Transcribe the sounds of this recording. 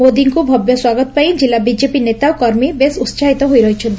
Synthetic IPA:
mod̪iŋkubʱɔbjɔswaɡɔt̪ɔpaj̃d͡ʒilːabid͡ʒepinet̪awkɔɾmibesut̪ːt͡ʃʰaɦit̪ɔɦojɾɔɦit͡ʃʰɔnt̪

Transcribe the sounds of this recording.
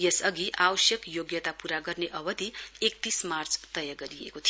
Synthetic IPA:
jesʌɡiʔawʌsjʌkjoɡjʌt̪apuɾaɡʌrneʔʌbʌd̪iek̚t̪ismart͡st̪ʌjaɡʌɾiḛkot̪ʰijo

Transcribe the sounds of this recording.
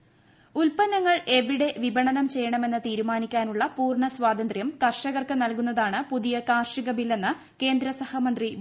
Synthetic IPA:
ulpɐnɐŋːɐɭe̞ʋiɽe̞ʋibɐɳɐnɐmt͡ɕe̞jːɐɳɐme̞nːɨt̪iːɾumaːnikʲːaːnuɭːɐpuːrɳɐsʋaːd̪ɐnd̪rjɐmkɐrʂɐɣɐrkɨnɐlkunːɐðaːɳɨpuðijɐkaːrʂiɣɐmilːe̞nːɨ | ke̞ːnd̪ɾɐsɐhɐmɐnd̪ri

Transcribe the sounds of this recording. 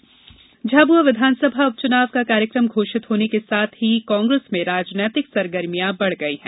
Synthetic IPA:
d͡ʒʱaːbuaʋɪd̪ʱaːnsəbʱaʊp̚t͡ʃʊnaːʋkakaːɾjəkɾəmɡʱoːʃɪt̪ɦoːnekesaːt̪ʰɦikãːŋɡɾesmẽɾaːd͡ʒnəːt̪ɪksɐɾɡəɾmijabɐɽ̤ɡɐiɦɛ̃ː

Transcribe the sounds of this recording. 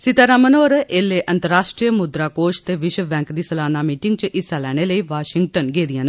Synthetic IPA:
sɪt̪aːɾaːmənoːɾeːleːʔənt̪əɾaːʃʈɾiəmʊd̪ɾaːkoːʃt̪eːʋɪʃəbɛ̃ːŋkd̪iːsəlaːnaːmiːʈɪŋɡt͡ʃʔɪsːaːlɛːɽ̃eːləiːʋaːʃɪŋɡʈənɡeːd̪ɪjãːn

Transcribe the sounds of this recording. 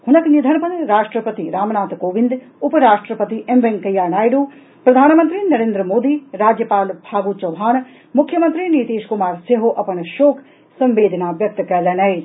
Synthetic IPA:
hʊnɐknid̪ʱɐnpɐnɾaːʂʈɾəpət̪iɾaːmnaːt̪koːʋɪ̃nd̪ | ʊpəɾaːʃʈɾəpət̪iʔemʋeŋkɐjaːnaːjɖoː | pɾɐd̪ʱaːnmɐnt̪ɾinɐɾẽːnd̪ɾəmoːd̪iɾaːd͡ʒjəpaːlbʱaːɡut͡ʃɐʋɦaːn | mʊkʰːjəmɐnt̪ɾiniːt̪eːʃkʊmaːɾseɦoʔɐpɐɳʃoːkʰ | sɐ̃mʋeːd̪ʱənaːʋjɐk̚t̪kɐlɐnɐi

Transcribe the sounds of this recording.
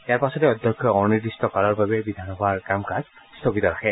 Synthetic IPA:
ijaɹpasɔtɛɔd̪ʱjɔkʰːjɔɔniɹdistɔkalɔɹbabɛbid̪ʱanɔbʱaɹkamkaz | st̪ʰoɡit̪ɔɹaxʰɛ

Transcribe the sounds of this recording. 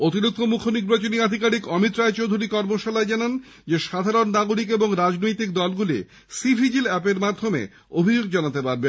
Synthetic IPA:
ot̪iɾud̪̚kʰomukʰoniɾbat͡ɕoniad̪ʱikaɽikɔmit̪ɾaet͡ɕowd̪ʱuɾikɔɾmoʃalaed͡ʑanan | d͡ʑeʃad̪ʱaɾonːaɡoɾik̬eboŋɾad͡ʑnojt̪ik̚d̪ɔlɡulḭ | sifʰid͡ʑilɛpeɾmad̪ʱːomḛ | obʱid͡ʑoɡd͡ʑanat̪epaɾben

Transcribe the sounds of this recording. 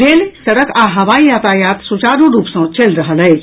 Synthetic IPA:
lelsɐɽəkaːɦɐʋaijat̪ajaːt̪sut͡ʃaːɾũɾuːpsə̃t͡ʃelɾəɦəlɦəj

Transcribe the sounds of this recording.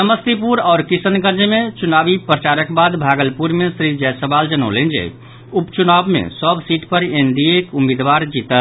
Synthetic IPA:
səməst̪ipuɾaːɾkisənɡəɾd͡ʒəmet͡ʃunabipɾət͡ʃaɾəkbad̪bʱaɡəlpuɾmesɾid͡ʒɛjsəbald͡ʒənə̰lend͡ʒḛ | upt͡ʃunabmḛsəbsiʈpəɾeɳɖiekumid̪ʋaɾd͡ʒit̪ət̪

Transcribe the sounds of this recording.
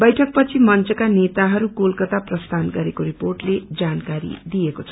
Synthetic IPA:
bʌjʈʰʌk̚pʌt͡sʰimʌnt͡sʌkanet̪aɦʌɾukolkʌt̪aprʌst̪ʰanɡʌɾekoɾiporʈled͡zankaɾḭd̪ijekot͡sʰʌ

